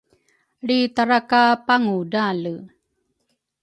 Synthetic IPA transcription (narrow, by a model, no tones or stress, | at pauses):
ɭitaɾakapaŋudalu